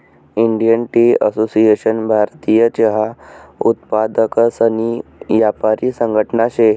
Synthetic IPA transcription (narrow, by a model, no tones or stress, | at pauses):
iɳɖijənʈiə̰sosieɕənbʱaɾt̪ijət͡ɕeɦaut̪pad̪əksəniʋjapaɾiːsəŋɡʱəʈnaɕe